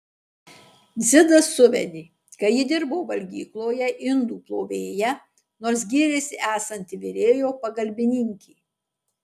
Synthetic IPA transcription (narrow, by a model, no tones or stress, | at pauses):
d̪zʲɪd̪ɐsːʊʋʲɛ̰d̪ʲeː | kɐɪjɪd̪ʲɪɾboːʋɐlʲɡʲiːklˠoːjɛʔɪnd̪uːplˠoːʋʲeːjɛ | noːɾs̬ɡʲiːɾʲɛsʲɪʔæːsɐnʲt̪ʲɪʋʲeɾʲeːjoːpɐɡɐlʲbʲɪnʲɪŋʲkʲiː